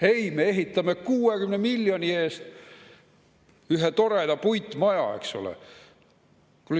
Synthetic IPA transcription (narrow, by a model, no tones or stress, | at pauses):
e̞jmeeɦit̪ːˑɑmekuːe̞kymnemilʲːjo̞nʲie̞ːst̪ | yɦet̪o̞ɾed̪ɑpujt̪ːˑmɑjɑ̰e̞̰kso̰lḛ | kul